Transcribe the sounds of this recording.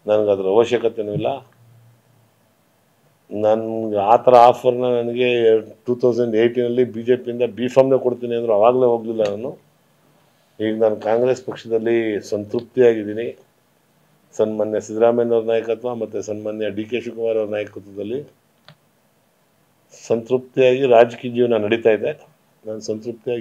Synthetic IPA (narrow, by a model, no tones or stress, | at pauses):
nɐnɐɡeɐd̪ɐɾɐɐʋɐʃjekɐt̪enuʋilːɐ | nɐnɡeaːt̪ɐɾɐaːpʰɐɾnɐnɐnɐɡe̞ʈuːt̪ʰɐwseɳɖejʈinɐlːibiːd͡ʒe̞ːpiind̪ɐbiːpʰaːmne̞ːkoɽt̪iːniɐnd̪ɐɾuɐʋaːɡle̞ːɦoːɡlilːɐnaːnu | ɦiːɡenaːnukaːŋɡɾe̞spɐkʂɐd̪ɐlːisɐnt̪ɾup̚t̪ijaːɡid̪iːni | sɐnmaːnjɐsid̪ɾaːmɐjnɐɾnaːjɐkɐt̪ʋɐmɐt̪ːusɐnmaːnjɐɖiːkeːʃukɐʋaːɾɐɾɐnaːjɐkɐt̪ʋɐd̪ɐlːi | sɐnt̪ɾup̚t̪ijaːɡiɾaːd͡ʒkiːd͡ʒiːʋɐnɐnɐɽit̪aːjid̪e̞ | naːnusɐnt̪ɾup̚t̪iaː